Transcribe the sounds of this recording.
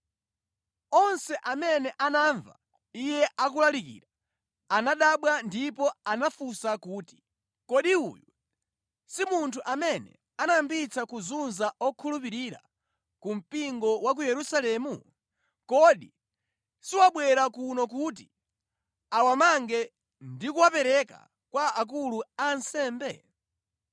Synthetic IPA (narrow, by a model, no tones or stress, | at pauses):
ɔnsɛʔamɛnɛʔanaɱva̰ | ijɛʔak̬ulalikḭːɾa | anaɗaɓwandipɔanafusakuːti̥ | kɔɗiṵːju | simuntʰuʔamɛnɛ̰ | anambit͡sakuzunzaɔkʰulup̬iɾiːɾa̰ | kum̩piŋɡɔwak̬ujɛɾusalɛːmu | kɔɗi | siwaɓwɛɾakunɔkut̬i | awamaŋɡɛ | ndikuwapɛɾɛka̰ | kwaak̬uluansɛːmbɛ